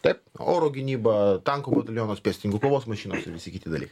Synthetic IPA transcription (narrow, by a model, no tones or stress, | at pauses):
t̪ɐɪpo̰ːɾoːɡʲɪnʲiːbɐt̪ɐŋkoːbɐt̪ɐlʲjoːnoːspʲɛsʲt̪ɪnʲɪŋkʊklˠoːʋoːsmɐʃʲiːnoːsɪɾʋʲɪsʲɪkʲɪt̪ʲɪd̪ɐlʲiːkɐɪ